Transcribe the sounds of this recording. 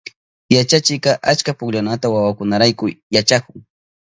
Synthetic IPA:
jat͡ʃat͡ʃɪkɑʔat͡ʃkapʊkʎanat̪awawakʊnaɾajkʊjat͡ʃakʊŋ

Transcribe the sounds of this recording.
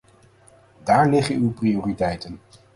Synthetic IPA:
daːɹlɪχənywprioːritɛjtən

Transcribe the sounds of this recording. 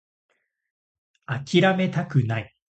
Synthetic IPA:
akʲiɾame̞t̪akɯ̟nai

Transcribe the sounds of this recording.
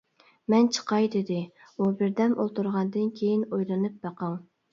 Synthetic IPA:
mɛnt͡ʃʰə̥qɑjd̪ɪd̪ɪ | ubɪɾd̪ɛmo̰lˠt̪uɾʁɑnd̪ɨnkʲʰejinojlˠɨnɨp̚bɑqɑŋ

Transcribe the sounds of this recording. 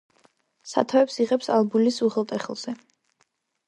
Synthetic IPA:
sa̰t̪ʰaɛpsiʁɛpsalˠbulisuχɛlˠt̪ʼɛχɛlˠz̥ɛ

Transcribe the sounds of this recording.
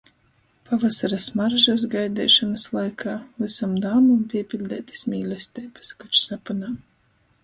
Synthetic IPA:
pavasaɾasmaɾʒas̬ɡajd̪ɛːʃɔnaslˠajkʰaːvɨsamd̪aːmumpʲiɛpʲilʲd̪ɛːt̪i̥smʲiːlʲɛsʲt̪ɛːbɨ̥skat͡ʃsapunaː

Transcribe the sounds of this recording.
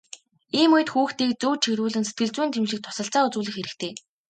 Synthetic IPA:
iːmujɘ̆t̪xuːxt̪iːk̚t͡suːt͡ɕʰeɣɾuːɮɘ̆nse̥t̪̚ɡɘ̆ɮt͡suːnt̪ʰemʃĭk̚t̪ʰʊ̥sə̆ɬt͡saːut͡suːɮɘ̆xeɾɘ̆kt̪ʰeː

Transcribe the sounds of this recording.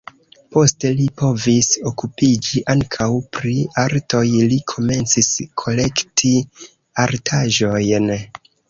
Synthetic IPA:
po̞ste̞lipo̞viso̞kupid͡ʒiʔaŋkʰawpɾiaɾto̞jlikʰo̞me̞nt͡siskʰo̞le̞ktʰi | aɾtʰaʒo̞jn

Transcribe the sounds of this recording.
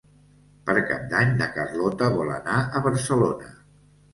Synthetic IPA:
pəɾka̰p̚d̪aɲd̪əkərlɔt̪əβɔlə̰naəβəɾsəlonə̰

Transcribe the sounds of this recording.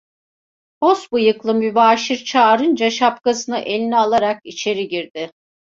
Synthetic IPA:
bosbujɯklˠɯmybaːʃiɾt͡ʃʰaːɾɯnd͡ʒaʃap̚kasɯnɯʔe̞lʲinialˠaɾak̚it͡ʃʰe̞ɾiɟiɾd̪ɪ

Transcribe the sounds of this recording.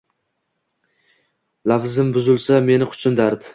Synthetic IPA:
lafzɪmbʊzɪlˠsame̞nɪqʰʊ̥t͡ʃʰʊnd̪aɾd̪ɪ

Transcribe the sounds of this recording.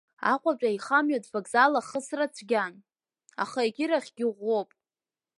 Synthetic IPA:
a̰qʷʼat͡ʃʷʼaiχamɥotʼvaɡzalaχəsrat͡sʷʰɡʲan | a̰χaeɡʲɪɾaχʲɡʲɪʁʷo̞pʼ

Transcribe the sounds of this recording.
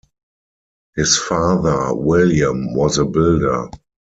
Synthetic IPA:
hɪsfaːðə˞wɪljə̃mwɔzəbɪldə̰˞

